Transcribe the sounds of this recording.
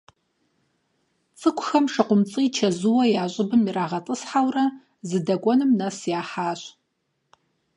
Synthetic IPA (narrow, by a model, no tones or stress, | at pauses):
t͡sʼɨkʷʊxɐmʂɨqʷʊmt͡sʼiːt͡ʃʰɐzɨwɐjaːɕʷʼɪbɨmiɾaːʁɐtʼɨsħawrɐ | zɨdɐɡʷɔnɨmnɐsjaːħaːɕ